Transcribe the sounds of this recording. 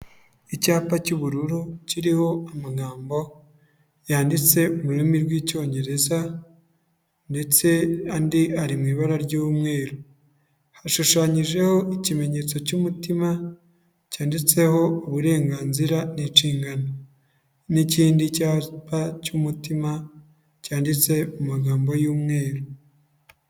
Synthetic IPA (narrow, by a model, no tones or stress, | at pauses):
icaːpacuβuɾuɾuciɾiho̞amaɡaːmbo̞ | jaːndit͡se̞uβuɾimiɾwiːco̞ːɲɟe̞ɾe̞za | nde̞t͡se̞andiaɾimŋiːβaɾaɾɟumŋe̞ːɾu | haʃuʃaːɲiʒe̞ho̞ʔicime̞ɲe̞ːt͡so̞cuːmutima | caːndit͡se̞ho̞uβuɾe̞ːŋɡaːnziɾaniʃiːŋɡano | niciːndicapacumutima | caːndit͡se̞mumaɡaːmbo̞juːmŋe̞ːɾo